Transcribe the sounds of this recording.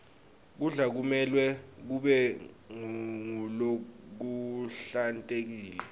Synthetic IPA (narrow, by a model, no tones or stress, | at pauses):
k̬uɮak̬umɛlwɛk̬uɓɛ | ŋŋulok̬uɬantʼek̬iːlɛ